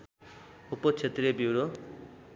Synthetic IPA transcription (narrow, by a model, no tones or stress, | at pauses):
upot͡sʰet̪rebiwɾo